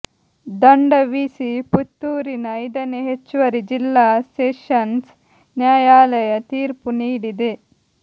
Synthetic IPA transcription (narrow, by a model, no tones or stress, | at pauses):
d̪ɐɳɖɐʋiːsiput̪ːuːɾinɐɐjd̪ɐneɦet͡ʃːʋɐɾid͡ʒilːaːseːʃɐns | njaːjaːlɐjɐt̪iːɾpuniːɽid̪e